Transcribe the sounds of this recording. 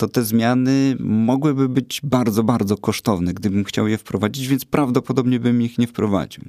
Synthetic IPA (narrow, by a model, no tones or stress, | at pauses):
t̪ɔt̪ɛzmʲjanɘmɔɡwɘbɘbɘd͡ʑbaɾd̪zɔbaɾd̪zɔkɔʂt̪ɔvnɛɡd̪ɘbɘmxt͡ɕawjɛfpɾɔvad͡ʑid͡ʑvʲjɛnt̪spɾavd̪ɔpɔd̪ɔbɲɛbɘmixɲɛfpɾɔva̰d͡ʑḭw